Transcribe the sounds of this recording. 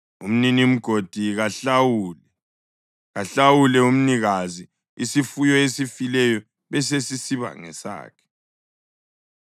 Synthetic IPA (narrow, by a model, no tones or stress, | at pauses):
um̩ninim̩ɡ̥ʱod̥ʱiɣaɬawuːlɛ | ɣaɬawulɛum̩niɣazi | isifujɔesifilɛjɔ | βɛs̬esisiβa̰ŋɛsa̰ːkʰɛ̥